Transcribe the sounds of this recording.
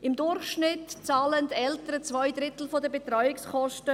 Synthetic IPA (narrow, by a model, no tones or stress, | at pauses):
ɪmdʊrχʃnɪtt͡saːləntɛltəɾət͡svɔɪd̪ɾɪtl̩fodəbetɾɔʏjɪkskɔʃtə